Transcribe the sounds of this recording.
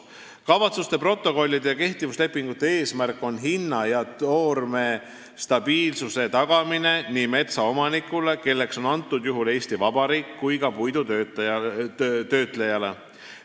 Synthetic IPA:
kɑvɑt̪sust̪e̞pro̞t̪ˑːo̞ko̞lʲːid̪̥jɑke̞ht̪ivusle̞pːˑiŋɡ̥ut̪ːˑee̞ːsmærkːˑo̞nɦinːɑjɑt̪o̞ːrme̞ | st̪ɑb̥iːlsuse̞t̪ɑɡ̥ɑmineniːme̞t̪sɑo̞mɑnikːˑule̞ke̞lːe̞kso̞nɑnt̪ːˑud̪̥juɦule̞ːsʲt̪ivɑb̥ɑɾiːkːujkɑpujd̪ut̪øt̪ | t̪ø̞ːt̪ˑlejɑle̞

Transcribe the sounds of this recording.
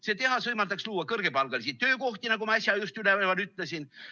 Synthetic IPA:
seːt̪e̞ɦɑsvɤjmɑld̪ɑksluːɑkɤrɡ̥epɑlɡ̥ɑlisit̪ːøːko̞ht̪inɑkomɑɑsʲjɑjust̪ylevvɑnyt̪ˑlesin

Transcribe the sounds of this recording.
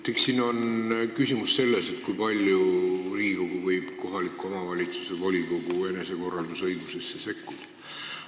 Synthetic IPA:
t̪ːˑekssino̞nkysimusse̞lːe̞se̞t̪kujpɑlʲjuriːko̞ɡ̥uvɤjb̥ko̞ɦɑlikːˑuo̞mɑvɑlʲit̪su̥se̞vo̞lʲiko̞ɡ̥ue̞ne̞se̞ko̞rːɑld̪usɤ̞jɡuse̞sːese̞kːud̪̥

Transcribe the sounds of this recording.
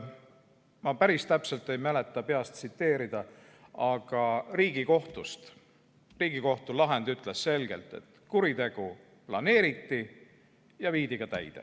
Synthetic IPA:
mɑpæɾist̪æpse̞lt̪ːˑe̞jmæle̞t̪ːˑɑpe̞ɑst̪sit̪ːe̞ːɾid̪̥ɑ | ɑɡ̥ɑriːɡ̥iko̞ht̪ust̪ | riːɡ̥iko̞ht̪ulɑɦe̞nd̪̥yt̪ːˑle̞sːe̞lɡ̥e̞̰lt̪ːˑe̞̰t̪kuɾit̪e̞ɡ̥u | plɑne̞ːɾit̪ːi | jɑviːd̪̥iɡ̥ɑt̪æ̰jd̪̥ḛ

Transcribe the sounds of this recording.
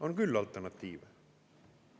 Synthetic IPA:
ɔɛnɡʉlːalt̪æɳɑt̪ʰiːʋ

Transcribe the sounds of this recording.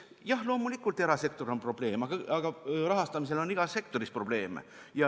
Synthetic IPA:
jɑhlo̞ːmulikːˑult̪ːe̞ɾɑse̞kt̪o̞ɾo̞npro̞b̥le̞ːmɑɡ̥ɑɑɡ̥ɑrɑɦɑst̪ɑmis̬e̞lo̞nːiɡ̥ɑse̞k̚t̪o̞ɾispro̞b̥le̞ːmḛ | jɑ

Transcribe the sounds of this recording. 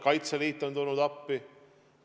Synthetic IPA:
kɑjt̪sɑliːt̪ːond̪onud̪ɑpːi

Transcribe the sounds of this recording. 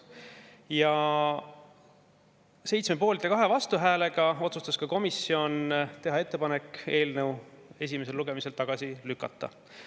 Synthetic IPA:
jɑ | se̞jt̪smepo̞ːlit̪ˑːekɑɦe̞vɑst̪uɦæːle̞ɡ̥ɑo̞t̪sust̪ɑskɑko̞misːio̞nt̪e̞ɦɑe̞t̪ːe̞pɑne̞kːe̞ːlnəw | e̞s̬ʲimese̞luɡ̥e̞mise̞lt̪ɑɡ̥ɑsilykːˑɑt̪ːɑ̰

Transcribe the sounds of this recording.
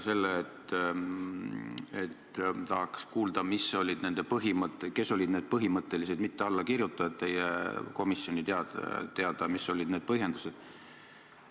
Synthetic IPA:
se̞lːeːt̪ | et̪t̪ɑɦɑkskuːld̪ɑmiso̞lʲid̪̥ne̞nd̪̥e̞pɤɦimɤt̪ːˑeke̞sːo̞lʲid̪ne̞ːd̪̥̚pɤɦimɤt̪ːˑe̞lise̞d̪̥mit̪ːeɑlːɑkirjut̪ːˑɑɑd̪̚t̪ːe̞jḛko̞misjo̞nʲit̪eɑt̪eɑd̪̥ɑmisːo̞lʲid̪̥ne̞ːd̪̚pɤɦje̞nd̪u̥se̞d̪̥

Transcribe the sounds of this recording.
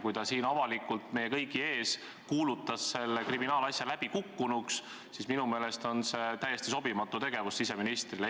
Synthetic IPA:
kujt̪ɑsiːnɑvɑlikult̪me̞je̞kɤ̞jɡie̞ːs | kuːlut̪ːˑɑsːe̞lːekriminɑːlɑsjɑlæb̥ikukːunuks | sisminume̞ːle̞st̪o̞nse̞t̪æjest̪iso̞bimɑt̪ːut̪e̞ɡ̥e̞vusːise̞minist̪rile

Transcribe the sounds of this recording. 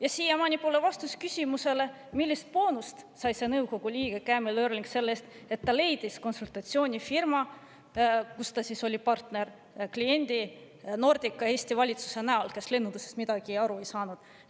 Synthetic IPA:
jɑsiːjemɑnʲipulevɑst̪uskysʲimuse̞le̞ | milːist̪̚po̞ːnust̪sɑjse̞nɤwko̞ɡ̥ulʲiːɡ̥e̞kæːmeløːɾelʲiŋkse̞lːeːst̪ | e̞t̪ːɑle̞jd̪̥isko̞nsult̪ˑɑt̪sio̞ːnʲifirmɑ | kust̪ɑsiso̞lʲipɑrt̪ne̞r | klie̞nʲd̪̥i | no̞rd̪̥ʲikːˑɑe̞ːsʲt̪ivɑlʲit̪su̥se̞næolke̞sle̞nːunusest̪mid̪ɑɡ̥iɑɾue̞jsɑːnud̪̥

